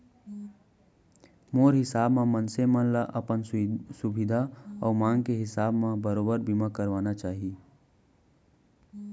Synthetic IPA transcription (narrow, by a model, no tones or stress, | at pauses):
moːɾɦɪsaːbmãmənsemənlaʔəpənsʊbid̪ʱaɔːmãːŋɡkeɦɪsaːbmãbəɾoːbəɾbimakəɾʋaːnat͡ʃaːɦi